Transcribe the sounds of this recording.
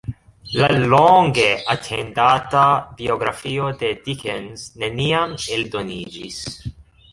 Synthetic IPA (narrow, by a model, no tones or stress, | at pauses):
laloŋɡe̞atʰe̞ndatabio̞ɡɾa̰fio̞de̞dikenzne̞niameldo̞nid͡ʒḭs